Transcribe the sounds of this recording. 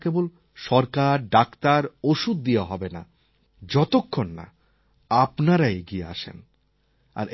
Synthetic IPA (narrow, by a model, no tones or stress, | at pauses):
kebol | ʃɔɾkaɾɖakt̪aɾoʃud̪̚ːijaɦɔbena̰ | d͡ʑɔt̪okʰːonːa̰ | apnaɾaeeɡiea̰ʃḛn | a̰ɾʔ